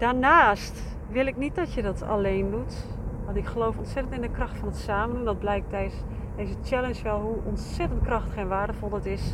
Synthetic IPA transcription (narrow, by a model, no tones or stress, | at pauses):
d̥aːɹnaːst | ʋɪlˠɪknit̚dɔtjədɔtʰa̰lejndutʋɔntɪkχəlowfɔntsɛtəntɪndəkrɔxtfɔnətsaːmənundɔt̚blɛjk̚tɛjs | dezət͡ʃɛlənsʋɛlˠɦuʔɔntsɛtənt̚krɑxtxenʋaːɹdəfɔlˠɔtɪs